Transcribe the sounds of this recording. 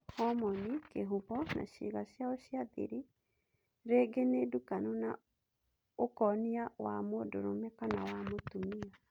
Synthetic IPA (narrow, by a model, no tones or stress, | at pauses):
hɔmɔnikeɦuβɔna̰ɕḭːɣaɕjaɔɕiaðḭɾi | ɾeɡenedukanona̰ | okɔniawa̰modoɾo̰mɛkanawamotumia